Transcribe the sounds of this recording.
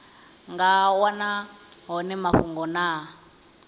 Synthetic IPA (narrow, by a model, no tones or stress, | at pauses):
ŋɡawanaɦɔnɛmaɸuŋɡɔnaː